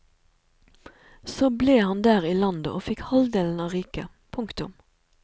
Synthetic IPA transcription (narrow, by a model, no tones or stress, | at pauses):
soːbleːhɑnd̪æːʁiːlɑnd̪ə̰ʔoːfɪkhɑld̪eːln̩ɑːʁiːkə̰ | pʰʊŋkt̪ʊm